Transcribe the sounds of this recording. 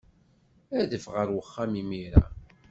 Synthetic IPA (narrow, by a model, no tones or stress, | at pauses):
æðəfʁəɾwəχːamimiɾa̰